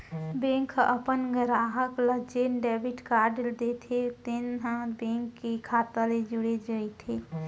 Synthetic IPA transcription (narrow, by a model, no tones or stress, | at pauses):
bẽŋkʰʔəpənɡəɾaɦəkləd͡ʒenɖɛbiʈkaɾɖld̪et̪ʰet̪enɦə̃bẽŋkːekʰaːt̪əled͡ʒuɽed͡ʒəit̪ʰe